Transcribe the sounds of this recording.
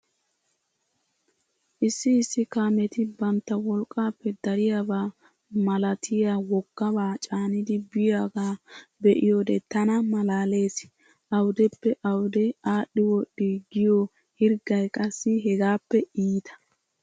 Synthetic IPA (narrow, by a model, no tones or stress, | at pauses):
ʔɪsːɪːsːɪkaːmɛt̪ɪbɐnt̪ːɐwɔlkʼːaːpːɛd̪ɐɾɪjabaː | mɐlɐt̪ʰɪjawɔkːɐbaːt͡ʃʼaːnɪd̪ɪbɪjaːɡaːbɛʔɪjoːd̪ɛt̪ɐnɐmɐlaːle̞ːs | ʔɐwd̪ɛpːɛʔɐwd̪ɛaːɗɪwɔɗːɪɡɪjo | hɪɾɡɐjkʼɐsːɪɦɛɡaːpːɛiːt̪ʰɐ̥